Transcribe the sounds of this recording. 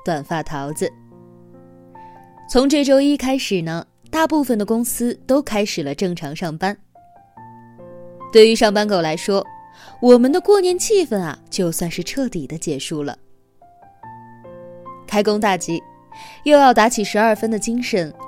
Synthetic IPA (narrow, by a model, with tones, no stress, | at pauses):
t̪wa˨˩nfa˥˩t̪ʰɑ˧˥ʊt͡sɹ̩˧ | t͡sʰʊ˧˥ŋʈ͡ʂɤ˥˩ʈ͡ʂo˥ʊi˥kʰa˥ɪʂɻ̩˨˩nə˦ | t̪a˥˧pu˥˩fə˩nd̪ə˩kʊ˥ŋsɹ̩˥t̪o˥ʊkʰa˥ɪʂɻ̩˨˩lə˦ʈ͡ʂɤ˥˩ŋʈ͡ʂʰɑ˧˥ŋʂɑ˥˩ŋpa˥n | t̪we˥˩ɪy˧˥ʂɑ˥˩ŋpa˥nko˨˩ʊla˧˥ɪʂwɔ˥wɔ˨˩mə˦nd̪ə˧kwɔ˥˩njɛ˧˥nt͡ɕʰi˥˩fə˨˩nɐ̰˨˩t͡ɕjo˥˧ʊswa˥˧nʂɻ̩˥˧ʈ͡ʂʰɤ˥˩t̪i˨˩d̪ə˦t͡ɕjɛ˨˩ʂu˥˩lə̰˩ | kʰa˥ɪkʊ˥ŋt̪a˥˩t͡ɕi˧˥ | jo˥˧ʊjɑ˥˩ʊt̪a˧˥t͡ɕʰi˨˩ʂɻ̩˧˥ɐ˞˥˩fə˥nd̪ə˨t͡ɕi˥ŋʂə˧˥n